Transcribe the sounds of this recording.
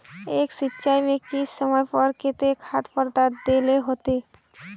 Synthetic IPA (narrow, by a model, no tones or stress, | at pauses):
eːksɪtːʃaːimẽkisəməjpɔɾkɪt̪ekʰat̪ʰpəɾd̪at̪d̪eːleɦoːt̪eː